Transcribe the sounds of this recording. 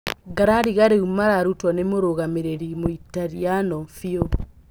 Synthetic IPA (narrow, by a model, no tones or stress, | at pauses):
ɡaɾaɾiɣaɾeumaɾaɾutwɔnemoɾoɣameɾeɾimoitaɾianɔfio